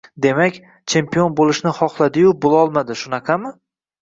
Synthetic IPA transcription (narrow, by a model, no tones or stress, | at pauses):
d̪e̞makʲ | t͡ʃʰe̞mpijonbolˠɪʃnɪχɒχlˠad̪ɪjʊbolˠɒlˠmad̪ɪʃʊnɑqʰɑmɪ